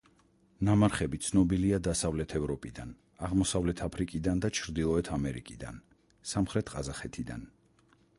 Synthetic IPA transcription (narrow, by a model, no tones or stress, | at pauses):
namaɾχɛbit̪sʰnɔbiliad̪asavlɛt̪ʰɛvɾɔpʼid̪an | aʁmɔsavlɛt̪ʰapʰɾikʼid̪and̪at͡ʃʰɾd̪ilˠɔɛt̪ʰamɛɾikʼid̪a̰n | samχɾɛt̪ʰqʼazaχɛt̪ʰid̪a̰n